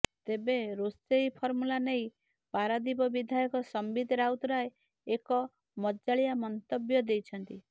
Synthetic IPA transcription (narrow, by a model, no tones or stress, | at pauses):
t̪ebeɾost̪ejpʰɔɾmulanej | paɾad̪ibɔbid̪ʱajɔkɔsɔmbid̪ɾawt̪ɔɾae | ekɔ | mɔd͡ʒaɭijamɔnt̪ɔbjɔd̪ejt͡ʃʰɔnt̪i